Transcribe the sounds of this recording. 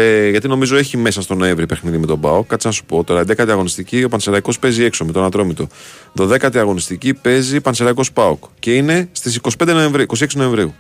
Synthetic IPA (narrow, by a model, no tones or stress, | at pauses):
eʝɐt̪ino̞mizo̞e̞çime̞sɐst̪o̞no̞e̞ɱvɾipe̞xniðime̞t̪o̞bɐokːɐt̪t͡ssinɐsu̥po̞t̪o̞ɾɐnd̪ekɐt̪iɐɣo̞nist̪icio̞pɐnseɾɐiko̞spe̞zie̞kso̞met̪onɐt̪ɾo̞mit̪o̞ | ðo̞ðe̞kɐt̪iɐɣo̞nist̪icipe̞zipɐnseɾɐikospɐokce̞ine̞st̪is̬iko̞si̥ped̪noe̞ɱvɾiiko̞siksino̞e̞ɱvɾiu